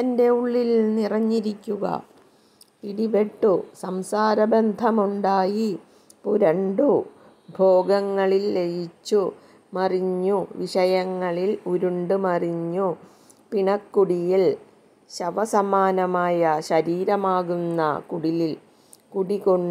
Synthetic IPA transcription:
ɐnde̞uɭːilnirɐɲːiɾikʲːuɣɐ̰ | piɽiʋeʈːusɐmsaːɾɐbend̪ʱɐmuɳɖaːji | puɾɐɳɖu | bʱo̞ːɡɐŋːɐɭilːejit͡ɕːu | mɐriɲːuʋiʂɐjɐŋːɐɭiluɾuɳɖumɐriɲːu | piɳɐkːuɽijil | ɕɐʋɐsɐmaːnɐmaːjɐɕɐɾiːɾɐmaːɣunːɐ̰kuɽilil | kuɽiɣo̞ɳː

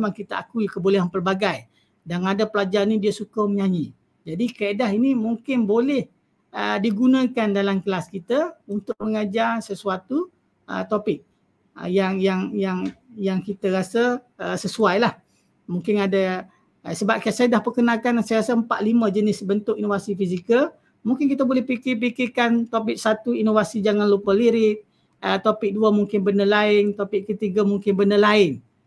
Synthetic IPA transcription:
maŋkit̪əʔa̰kuikəbolɛɦampərbaɡaj | danadapəlad͡ʒaɾnidiəsukəməɲaɲi | d͡ʒadikaedaɦinimuŋkɪnbolɛh | ədiɡunə̃kandalamkəlaskit̪əunt̪ʊʔ̚məŋad͡ʒarsəsuat̪u | ə̰t̪opɪk̚ | ə̰jaŋjaŋjaŋjaŋkit̪əɾasə | əsəsuajlah | muŋkɪnadə | əsəbap̚kaaʔsajədahpərkənakansajəɣasəəmpaʔliməd͡ʒənɪsbənt̪ʊkinofasifizikəl | muŋkɪnk̬it̪əbolɛhpikip̬ikɪkant̪opɪk̚sat̪uinofasid͡ʒaŋanlupəliɾɪʔ̚ | ət̪opɪk̚duəmuŋkɪnbəndəlaɪnt̪opɪʔkət̪iɡəmuŋkɪnbəndəlaɪn

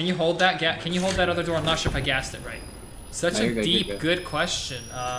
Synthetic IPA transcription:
ɨ̃njɨɦoʊlˠd̪̚ðɨt̚ɡ̥ækʰɨ̃njɨoʊd̪̚ðɨɾʌðə˞dɔɹə̃nətʃɪpaɡæstɨ̰t̚ɹaɪt̚ | sʌt͡ʃɨdip̚ɡ̥ʊd̚kʰw̥ɛst͡ʃɨ̃nʌ

